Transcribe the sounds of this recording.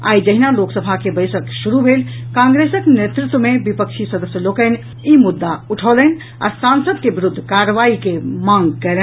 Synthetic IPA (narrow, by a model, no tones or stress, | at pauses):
a̰jd͡ʒəɦinaloksəbʱakebəjsəksuɾubʱelkãŋɡɾesəknet̪ɾut̪wəmebipəkt͡ʃʰisəd̪əsjəlokən | imud̪ːauʈʰələn | a̰sansəd̪̚kebiɾud̪ʱːkaɾəʋaikemãŋɡkələ